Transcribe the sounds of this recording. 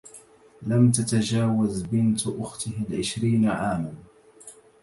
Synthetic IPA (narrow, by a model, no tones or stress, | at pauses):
lamt̪at̪ad͡ʒaːwazbɪnt̪ʔʊxt̪ɪhalʕɪʃɾiːnaʕaːman